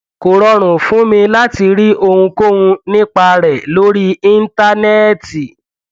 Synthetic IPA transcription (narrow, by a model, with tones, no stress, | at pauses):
ko˨ɾɔ˧ɾ̃ũ˨fũ˨˦mĩ˧la˦ti˧ɾi˦ʔo˧hũ˧ko˦wũ˧nĩ˦k͡pa˧ɾɛ˨lo˦ɾi˦i˦n̩˦ta˦nɛ˦ti˨